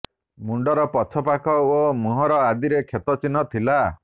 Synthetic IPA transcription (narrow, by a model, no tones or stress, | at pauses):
muɳɖɔɾɔpɔt͡ʃʰɔpakʰɔomuɦɔɾɔad̪iɾekʰet̪ɔt͡ʃinɔt̪ʰila